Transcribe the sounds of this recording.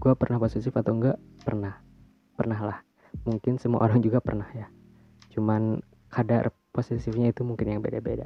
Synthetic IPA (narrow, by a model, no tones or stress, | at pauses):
ɡuapərnahposit̪ɪfat̪awŋɡapərnah | pərnaɦlah | muŋkɪnsəmua̰ʔoɾaŋd͡ʒuɡapərnahja | t͡ʃuman | kʰada̰r | posisɪfɲait̪umuŋkɪnjaŋbedabeda̰